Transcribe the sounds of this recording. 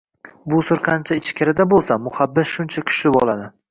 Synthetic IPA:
bʊsʊɾqʰɑnt͡ʃʰaɪt͡ʃkʲaɾɪd̪abolˠsamʊχabːɪsʃʊnt͡ʃʰakʲʰʊ̥ʃlɪbɒlˠad̪ɪ

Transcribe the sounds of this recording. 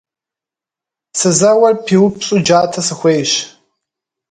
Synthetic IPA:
sɨzɐwɐrpʰiwʊpsʼud͡ʒaːtʰɐsɨxʷejɕ

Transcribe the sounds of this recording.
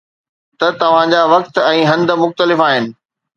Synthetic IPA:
t̪ɐt̪ɐʋ̤ãd͡ʑaːʋɐk̚t̪ɛ̃ːɦɐ̃nd̪̆mʊxt̪əlɪfaːɦɪnɪ̆

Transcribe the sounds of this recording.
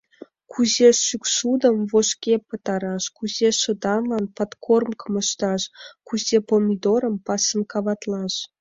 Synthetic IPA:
kʰuzeʃyksud̪əmvoʃkʲepət̪ɑɾɑʃkuzeʃə̆d̪ɑnlɑnpɑt̪kʰormkəməʃt̪ɑʃkuzepomʲid̪oɾəmpɑsəmkɑβɑt̪lɑʃ

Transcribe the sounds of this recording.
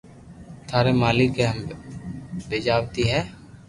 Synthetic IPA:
t̪ʰaːɾemaːlɪkeɦəm | beːd͡ʒaːwt̪iɦɛː

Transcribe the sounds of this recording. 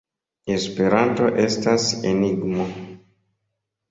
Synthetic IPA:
e̞spe̞ɾanto̞ʔe̞staseniɡmo

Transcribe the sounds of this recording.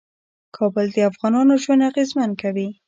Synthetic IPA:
kʰɑbəld̪əafɣɑnɑnoʒwand̪aɣezmankawi

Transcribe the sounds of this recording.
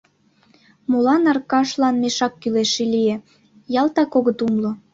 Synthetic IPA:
molɑnɑrkɑʃlɑnmeʃɑkːyleʃelije | jɑlt̪ɑkoɣət̪umlŏ

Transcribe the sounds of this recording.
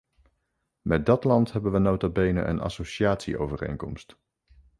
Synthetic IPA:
mɛt̚dɑtlɑntɦɛbənʋənowtabejnə̰ʔə̰nɑ̰sowʃiaːtsḭo̰wvərḛjŋkɔmst

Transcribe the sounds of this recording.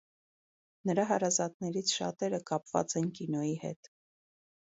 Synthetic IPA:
nəɾɑɦɑɾɑzɑt̪nɛɾit͡sʰʃɑ̰t̪ɛɾəkɑpv̥ɑ̰t͡sɛnkinɔjihɛ̰t̪

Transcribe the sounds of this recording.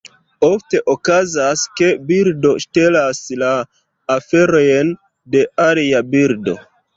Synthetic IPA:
ofte̞ʔokazaske̞biɾdo̞ʃte̞laslaː | fe̞ɾo̞jn | de̞ʔaliabiɾdo̞̰

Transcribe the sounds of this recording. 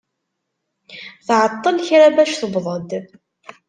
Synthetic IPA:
θʕət̪ˤːənçɾabæʃθəbðˤəd̪

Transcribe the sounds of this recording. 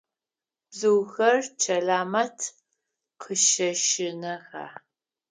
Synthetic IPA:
b̥zɨwɣɐrt͡ʃʰɐɮaːmɐtʰ | qʰəʃɐʃɪnɐʁa̰ː

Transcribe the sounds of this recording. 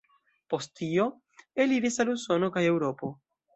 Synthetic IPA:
post̪io | eliɾesalusonokajewɾopo

